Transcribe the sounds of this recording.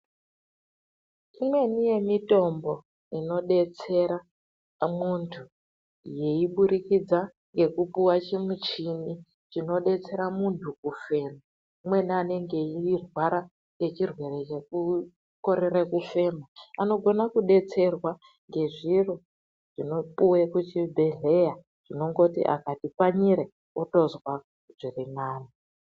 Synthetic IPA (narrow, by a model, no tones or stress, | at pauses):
imwe̞nije̞mito̞mbo̞ | ino̞ɗe̞t͡se̞ɾa | muntʰu | je̞iɓuɾikid͡za | ŋɡe̞kupuwat͡ʃemut͡ʃini | t͡ʃino̞ɗe̞t͡se̞ɾamuntʰukufe̞ːma | imwe̞nane̞ŋɡe̞iirwaɾa | ŋɡe̞t͡ʃirwe̞ɾet͡ʃeku | ko̞ɾeɾekufe̞ːmaano̞ɡʱo̞nakuɗe̞t͡se̞rwa | ŋɡe̞ʐiro | ʐ̥ino̞puwekut͡ʃibʱe̞ɮe̞ja | ʐ̥ino̞ŋɡo̞tḭʔa̰katipaɲiɾe | oto̞zwa | uʐirimaːni